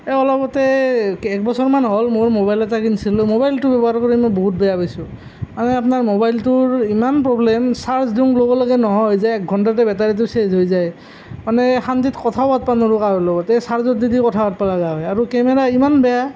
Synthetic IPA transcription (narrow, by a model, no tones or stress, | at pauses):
ɛɔlɔbɔtɛɛkbɔsɔɹmanɦolmoɹmobajlɔtakinsilʊmobajltʊbɛbɔɦaɹkɔɹimojbɔɦut̚bɛjapajsʊ | manɛap̬naɹmobajltʊɹimanpɹɔblɛmsaɹzdiŋkloɡɔlɔɡɛnɔɦɔɦjzajɛk̚ɡʱɔntatɛbɛtaɹit̬ʊsezɦojzaj | manɛxanditkɔtʰabat̚panɔɹukaɹɔlɔɡɔtɛsaɹzɔt̚didikɔtʰabat̚palaɡaɦɔjaɹukɛmɛɹaimanbɛja